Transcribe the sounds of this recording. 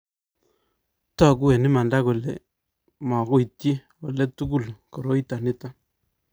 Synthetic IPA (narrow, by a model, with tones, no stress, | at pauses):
tɔ˦ku˦e˨nɪ˦ma˨nda˦ko˨lḛ˨ | ma˨ko˦i˨tji˦ | o˨le˦tu˦ku˦˨lko˨ɾo˦i˦ta˨nɪ˦ta˦